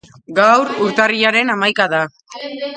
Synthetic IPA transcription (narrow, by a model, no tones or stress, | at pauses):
ɡawɾuɾt̪ariaɾe̞namajkaða